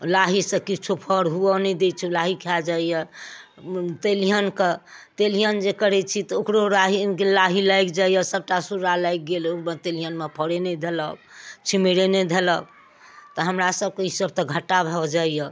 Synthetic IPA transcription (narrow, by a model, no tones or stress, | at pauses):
laɦisə̃kit͡ʃʰupʰəɽɦuɔnɛd̪et͡ʃʰulaɦikʰɛd͡ʒaijɛ | t̪elijənket̪elijənd͡ʒekəɾɛt͡ʃʰit̪ɔokɾoɾaɦilaɦilajkd͡ʒaijɛsəb̚ʈasuɾalajk̚ɡeloet̪elijənmepʰəɽened̪ʱeləbt͡ʃʰimeɾened̪ʱeləb̚ | t̪ɔɦəmɾasəb̚keɦisəb̚t̪ɔɡʱəʈːabʱɛd͡ʒaijə